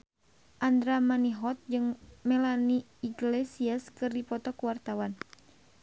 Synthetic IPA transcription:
ʔand̪ɾamaniɦɔt̪̚d͡ʒɨŋmɛlaniː | ɡlesiaskɨrdipɔt̪ɔkuwart̪awan

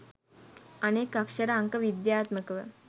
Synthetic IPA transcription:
ənekəkʂəɾaəŋkəʋid̪jat̪məkʋə̰

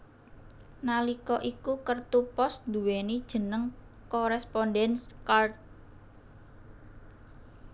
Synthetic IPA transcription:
nalikɔʔikukərt̪upɔsd̪̥ṳwenid̥ʒ̥ə̤nəŋ | kɔɾɛspɔndɛnskart̪̚

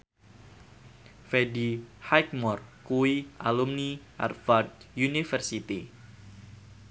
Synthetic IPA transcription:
fedihajk̚mɔrkuwiʔalumniʔa̰rfardjunifərsit̪i

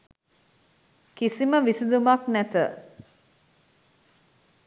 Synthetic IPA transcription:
kisiməʋisid̪umaknæt̪ə̰

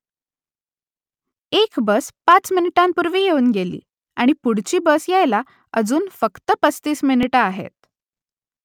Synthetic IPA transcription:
ekbəspat͡sminiʈampuɾʋiːjeuːnɡelḭː | aɽ̃ipuɽt͡ɕiːbəsjajla | əd͡zuːnfəkt̪əpət͡st̪iːsminiʈəaɦḛt̪̚

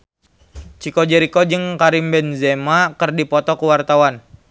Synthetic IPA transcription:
t͡ʃikod͡ʒɛɾikod͡ʒɨŋkaɾimbɛnzɛmakərdipɔt̪ɔkuwart̪awan

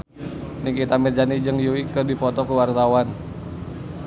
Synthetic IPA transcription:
nikit̪amird͡ʒanid͡ʒəŋjuwikɨrdipɔt̪ɔkuwart̪awan

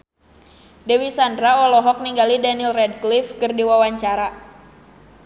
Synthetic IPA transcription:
dɛwisandɾaɔlɔɦɔk̚niŋɡalidanilrɛdklifkɨrdiwawaɲt͡ʃaɾa

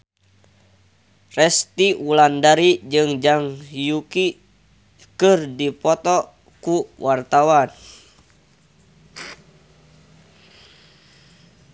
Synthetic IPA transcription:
rɛst̪iulandaɾid͡ʒɨŋd͡ʒaŋjuki | kɨrdipɔt̪ɔ | kuwʔart̪awan

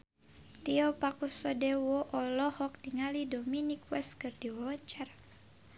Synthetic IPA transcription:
t̪iɔpakusɔdɛwɔʔɔlɔhɔk̚diŋalidominikwɛskɨrdiwaɔaɲt͡ʃar

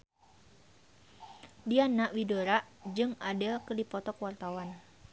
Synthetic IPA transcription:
dianaʔwidoɾaʔd͡ʒɨŋadəlkərdipɔt̪ɔkwart̪awan

